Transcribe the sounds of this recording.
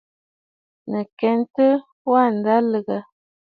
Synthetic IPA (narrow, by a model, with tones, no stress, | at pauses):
nə˨kɛ˨˦n˦tə˦ | wa˦˨n̩˨da˦lə˨ɡa˨